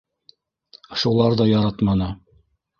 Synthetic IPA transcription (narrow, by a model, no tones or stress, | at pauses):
ʃulˠɑɾðɑjɑɾɑt̪mɑnɤ